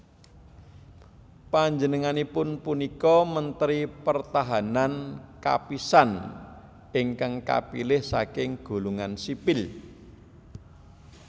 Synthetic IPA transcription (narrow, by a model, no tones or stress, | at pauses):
paɲd͡ʒənəŋanipʊnpunikɔmənt̪əɾipərt̪aɦananka̰pisan | ʔɪŋkaŋka̰pḭlɪhsakɪŋɡ̥o̤luŋansipɪl